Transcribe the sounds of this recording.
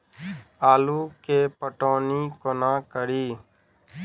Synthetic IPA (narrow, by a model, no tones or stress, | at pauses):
aːluːkeːpəʈoːniːkonãːkəɾiː